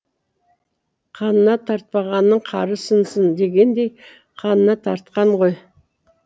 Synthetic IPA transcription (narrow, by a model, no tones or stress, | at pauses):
qʰɑnənɑt̪ʰɑɾt̪̚pɑʁɑnːəɴqʰɑɾəsənsənd̪e̞ɡʲe̞nd̪e̞j | qʰɑnənɑt̪ʰɑɾt̪̚qɑɴʁo̞j